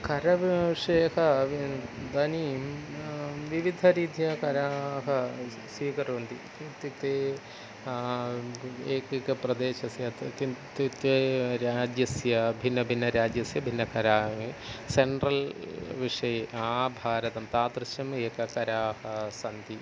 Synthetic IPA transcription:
kɐɾɐʋʂejkɐʋid̪ɐni | ʋiʋid̪ʱɐɾiːd̪ʱjɐkɐɾaːɦɐ | siːkɐɾoːnd̪ḭkit̪it̪eː | eːkikɐpɾɐd̪eːʃɐsjɐt̪kit̪it̪eɾaːd͡ʒjɐsjɐbʱinːɐbʱinːɐɾaːd͡ʒjɐsjɐbʱinːɐkɐɾaːeseɳʈɾɐlʋiʂɐjeaːbʱaːɾɐt̪ɐmt̪aːt̪ɾɨʃjɐmeːkɐkɐɾaːhɐsɐnd̪i

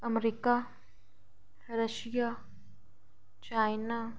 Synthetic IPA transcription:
ɐmɾika | ɾəʃija | t͡ʃajna

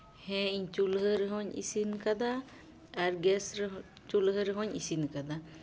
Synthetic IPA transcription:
hɛ̃iɲt͡ʃulɦəɾəɦɔɲḭsinkad̪a | aɾɡɛsɾ | t͡ʃulɦəɾəɦɔɲḭsinkad̪a

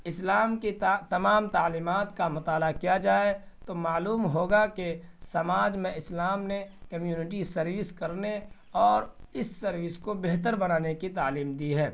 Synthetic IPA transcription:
ɪslaːmkit̪ɐmaːmt̪aːliːmaːt̪kamʊt̪aːlakijad͡ʒaːe | t̪omaːluːmɦoːɡakesɐmaːd͡ʒmẽɪslaːmnekɐmjuːnɪʈ̬isɐɾʋɪskɐɾne | ɔːɾɪsːɐɾʋɪskobeɦt̪əɾbɐnaːnekit̪aːliːmd̪iɦɛː

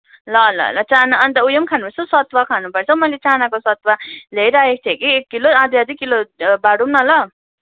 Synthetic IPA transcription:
lʌlʌ̰lʌ̰t͡sanaːnt̪ʌujʌmkʰanupʌrt͡sʰʌsʌt̪wakʰanupʌrt͡sʰʌwmʌjlet͡sanakosʌt̪walejɾʌek̚t̪ʰekiekːiloãd̪jad̪ikːilobaɽumnʌlʌ

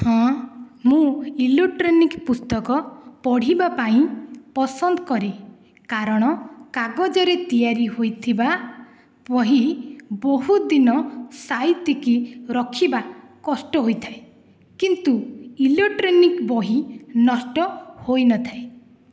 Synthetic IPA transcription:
hɔ̃mũileʈɾenikpust̪ɔkɔpɔɽ̤ibapaĩpɔsɔnd̪ɔkɔɾe | kaɾɔɽ̃ɔkaɡɔd͡ʒɔɾet̪ijaɾiɦojt̪ʰiba | pɔɦibɔɦud̪inɔsajt̪ikiɾɔkʰiba | kɔsʈɔɦojt̪ʰae | kint̪uileʈɾenikbɔɦinɔsʈɔhojnɔt̪ʰae

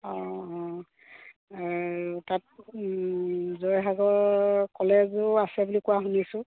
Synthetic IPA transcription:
ɔ̃ɔ | tat̚ | zojɦaɡɔɹkɔlɛzʊasɛbulikuaɦunisʊ̃

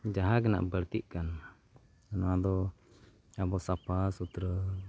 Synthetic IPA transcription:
d͡ʒaɦakəna̰ʔbəɾt̪iʔkan | anɔad̪ɔ | abɔʔsapasut̪ɾə

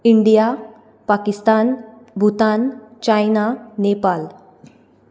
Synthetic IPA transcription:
iɳɖija | pakist̪an | bʱut̪ant͡ɕajnanepal

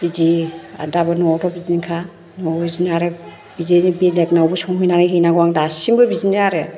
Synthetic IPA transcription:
izia̰dabɯnɔtʰɔbizinikʰa | nɔizinaɾɯ | bizinibeleknawbɯsɔŋɦujnaɾɯɦijnaɡɔwaŋdasiŋbɯbiziniaɾɯ

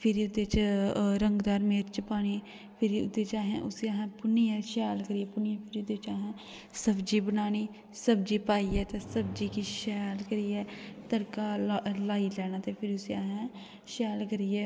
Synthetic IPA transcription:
pʰɪɾiʊd̪et͡ʃɾəŋɡd̪aːɾmeːɾt͡ʃpaːñiː | pʰɪɾiʊ̰d̪eːt͡ʃaːɦɛ̰̃ːʔʊsiaːɦɛ̃ːpʊniɛːʃɛːlkəɾijɛːpʊnijãpʰɪɾiːʊd̪eːt͡ʃaːɦɛ̃ː | səbd͡ʒiːbənaːniː | səbd͡ʒiːpaːiːɛːt̪eːsəbd͡ʒiːkiʃɛːlkəɾiːɛːt̪əɾkaːlaːilɛːnaːt̪eːpʰɪɾiʊsiaːɦɛ̃ː | ʃɛːlkəɾiɛː

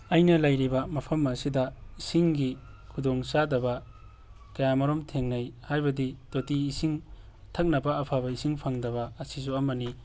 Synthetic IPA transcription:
ɐjnɐlɐjɾibɐmɐpʰɐmɐsidɐisiŋɡikʰudoŋsadɐbɐ | kɐjamɐɾomtʰeŋnɐjhajbɐdidotiːsiŋ | tʰɐk̚nɐbɐːpʰaβɐisiŋpʰaŋdɐβɐɐsis̬uɐmɐni

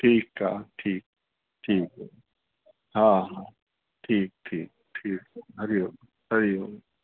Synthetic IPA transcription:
ʈʰiːkɦa̰ʈʰiːk̚ | ʈʰiːkɦo | ɦãɦã | ʈʰiːk̚ʈʰiːk̚ʈʰiːkɦɐɾioɡ | ɐɾiɦoːɡe

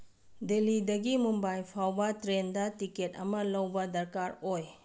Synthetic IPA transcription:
delidɐɡimumbajpʰawbɐtɾendɐtiket̚ɐ̰mɐlɐwbɐdɐɾkaɾoj

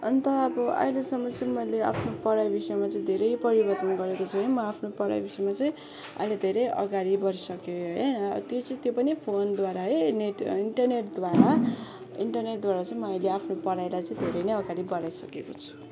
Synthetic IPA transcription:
ʌnt̪ʌʌbʌʌ̰jlesʌmːʌt͡sʌĩmʌjlea̰pʰnopʌɽajbisʌjmat͡sʌ̃ĩd̪ʱeɾʌjpʌɾibʌrt̪ʌnɡʌɾekot͡sʰuɦimʌapʰnopʌɽa̰jbisʌjmat͡sʌĩ | ʌ̰jled̪ʱeɾʌjʌ̰ɡaɽibʌɾisʌkoɦʌnʌ̰t̪jot͡sʌĩt̪jopʌnipʰond̪waɾaɦʌjneʈiɳʈʌrneʈd̪waɾa | iɳʈʌrneʈ̚d̪waɾat͡sʌĩmʌːjleapʰnopʌɽajlajt͡sʌ̃ĩd̪ʱeɾʌjnejʌɡaɽibʌɾajsʌkekot͡sʰu̥

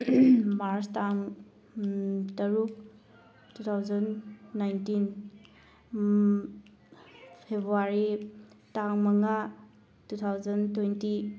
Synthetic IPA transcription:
maɾstaŋ | tɐɾuk | tutʰawzɐnːajntin | pʰebɾuaɾi | taŋmɐŋa | tutʰawzɐntwenti

